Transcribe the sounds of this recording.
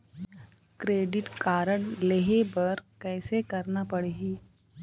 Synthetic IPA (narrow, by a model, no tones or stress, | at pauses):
kɾeːɖɪʈkaːɾəɽleɦebɐɾkɛːsekɐɾnapɐɽeːɡiː